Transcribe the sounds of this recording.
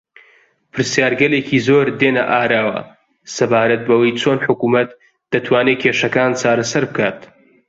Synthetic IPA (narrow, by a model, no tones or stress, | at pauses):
pʰɨɾsjaːɾɡɐlekʰiːzoːɾd̪eːnɐ̰ʔaːɾaːwɐ̰ | sɐbaːɾɐt̪̚bɐwɐjt͡sʰoːnħʊkuːmɐt̪̚ | d̪̥ɐt̪ʰwaːnekʰeːʃɐkaːnt͡sʰaːɾɐsɐɾbɨkʰaːt̪